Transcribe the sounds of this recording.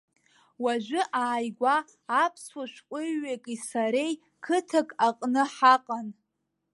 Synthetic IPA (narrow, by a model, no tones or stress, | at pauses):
waʒʷʊʔaːjɡʷaː | pʰswaʃʷkʷʼʊːekʼisaɾe̞j | kʰɨtʰakʼaqʼnɨħaqʼan